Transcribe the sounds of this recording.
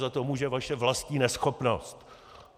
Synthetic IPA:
zat̪omuʒɛvaʃɛvlastɲiːnɛsxopnost̪

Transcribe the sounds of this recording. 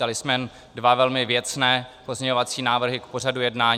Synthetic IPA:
alɪsmɛn | dvavɛlmɪvjɛt͡snɛːpo̞zɲɛɲo̞vat͡siːnaːvr̩ɦɪkpo̞r̝adujɛdnaːɲ

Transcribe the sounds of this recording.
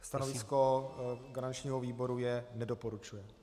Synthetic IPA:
st̪anovɪsko̞ɡaɾant͡ʃɲiːɦoviːbo̞ɾujɛnɛdo̞poɾut͡ʃujɛ

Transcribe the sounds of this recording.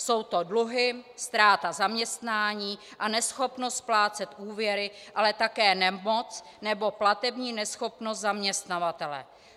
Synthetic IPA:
so̞wt̪o̞dluɦɪst̪ɾaːt̪azamɲɛst̪naːɲiːʔanɛsxo̞pnost̪̚plaːt͡sɛt̪ʔuːvjɛɾɪʔalɛt̪akɛːnɛmot͡s | nɛbo̞plat̪ɛbɲiːnɛsxo̞pno̞st̪zamɲɛst̪navat̪ɛlɛ̰

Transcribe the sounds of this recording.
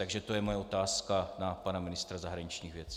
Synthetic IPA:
aɡʒɛt̪o̞jɛmojɛo̞t̪aːskanapanamɪnɪst̪ɾazaɦɾaɲɪt͡ʃɲiːxvjɛt͡si̥

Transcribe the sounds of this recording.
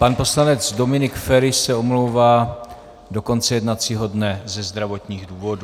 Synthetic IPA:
panpo̞slanɛd͡zdo̞mɪnɪkfɛɾɪʃsɛo̞mlowvaː | do̞ko̞nt͡sɛjɛdnat͡siːɦo̞dnɛzɛzd̪ɾavo̞t̪ɲiːɣduːvo̞du

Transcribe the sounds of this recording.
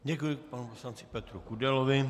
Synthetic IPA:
ɟɛkujɪpanuposlant͡sɪ̥pɛt̪ɾukudɛlovɪ

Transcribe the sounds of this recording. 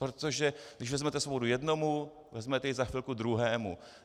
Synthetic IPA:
pɾot̪o̞ʒɛɡdɪʒvɛzmɛt̪ɛsobodujɛdno̞mu | vɛzmɛt̪ɛjɛzaxfɪlkud̪ɾuɦɛːmṵ

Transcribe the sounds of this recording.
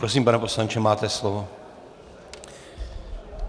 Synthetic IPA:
ɾos̬iːmpanɛpo̞slaɲt͡ʃɛmaːt̪ɛslovo

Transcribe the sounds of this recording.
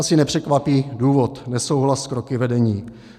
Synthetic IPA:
asɪnɛpr̥ɛkvapiːduːvot̪nɛsowɦlaskɾokɪvɛdɛɲiː

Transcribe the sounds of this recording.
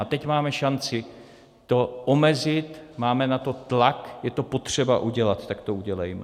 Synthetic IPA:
at̪ɛcmaːmɛʃant͡sɪ | t̪o̞ʔomɛzɪt̪maːmɛnat̪o̞t̪lakjɛt̪o̞po̞t̪r̝̥ɛba̰ʔuɟɛlat̪t̪ːakt̪ouɟɛlɛjmɛ

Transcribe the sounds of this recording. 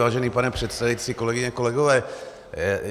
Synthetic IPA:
aːʒɛniːpanɛpr̝̥ɛt̪st̪avit͡siːkolɛɡɪɲɛkolɛɡovɛː

